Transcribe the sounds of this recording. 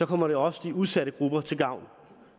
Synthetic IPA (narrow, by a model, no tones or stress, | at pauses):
sɒ̽kʰɒ̽m̰ɐɾe̝ɒ̽səd̥iuðˠsæɾəɡ̥ʁub̥ɐt͡sʰe̝lɡ̥ɑ̈ʊ̰n